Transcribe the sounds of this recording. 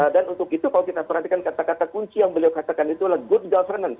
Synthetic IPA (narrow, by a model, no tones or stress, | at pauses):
danunt̪ʊkit̪ukalawkit̪apərɦant̪ikankat̪akat̪akuɲt͡ʃijaŋbəliawkat̪akanit̪ulahɡʊt̪̚ɡalfərnan